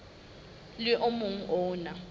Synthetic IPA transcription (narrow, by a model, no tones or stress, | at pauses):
lɪʔomʊŋ̩ʔɔːna